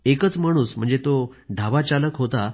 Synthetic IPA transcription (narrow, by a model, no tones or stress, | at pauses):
ekət͡smaɽ̃uːsm̤əɳd͡zet̪oɖʱaʋat͡ɕaləkɦot̪a